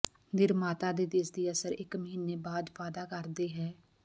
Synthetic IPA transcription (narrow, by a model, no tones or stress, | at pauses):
nɪɾmaːt̪aːd̪eːd̪ɪsd̪iːəsəɾɪkməɦiːneːbaːd̪ʋaːd̪aːkəɾd̪eːɦɛː